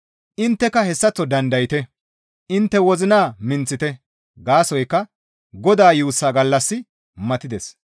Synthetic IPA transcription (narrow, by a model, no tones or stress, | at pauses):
ʔɪnt̪ːɛkɐhɛsːɐt͡sːɔd̪ɐnd̪ɐjɪt̪ɛ | ʔɪnt̪ːɛwɔzɪnaːmɪnt͡sːɪt̪ɛ | ɡaːsɔjkːɐ | ɡɔd̪aːjuːsːaːɡɐlːɐsːɪ | mɐt̪ɪd̪ɛs